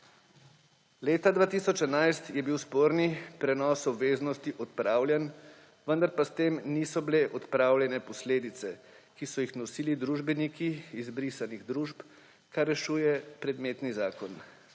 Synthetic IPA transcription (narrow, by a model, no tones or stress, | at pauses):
leːt̪ad̪vʋaːt̪isɔt͡ʃɛnajst̪jɛbiwspoːɾnipɾɛnɔsɔbʋeːznɔst̪iʔɔt̪̚pɾaːwljɛn | ʋənd̪aɾpast̪emniːsɔbileʔɔt̪pɾawljɛnɛpɔsleːd̪it̪sɛ | kisɔjixnɔsiːlid̪ɾuːʒbɛnikiːzbɾisaniɣd̪ɾuːʒp | karːɛʃuːjɛpɾɛd̪meːt̪nizaːkɔn